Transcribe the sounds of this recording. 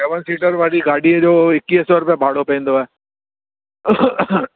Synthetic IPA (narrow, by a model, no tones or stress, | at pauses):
sɛːʋənsiːʈəɾʋaːliɡaːɽiɦɛd͡ʒoːɪkːiesəɾpebʱaːɽopẽːnd̪oɛː